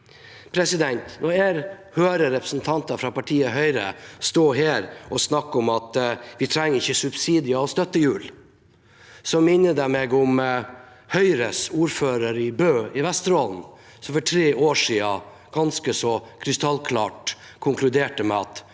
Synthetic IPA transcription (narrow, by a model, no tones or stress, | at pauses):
pʰɾɛsɪd̪ɛnt̪nɔeːɾ | høːɾəɾɛpɾəsn̩t̪ʰɑnt̪ɑfɾɑpɑʈʰiːəɦœʏɾə̰st̪oːɦeːɾɔsnɑkːɔmɑt̪ʋɪt̪ʰɾɛŋːəɾɪçːəsʉbsiːd̪ɪəɔst̪œt̪ːəjʉːl | sɔmɪnːəd̪æmeːɡʊm | hœʏɾəsuːɾføːɾəɾɪbøːɪʋɛst̪ɾɔːln̩ | sɔfɔʈʰɾeːʔoːʂiːɑ | ɡ̥ɑnskəsɔkʰɾɪst̪ɑlkʰlɑ̰ːʈ | kʰʊŋkʰlʉd̪eːʈəmɛɑt̪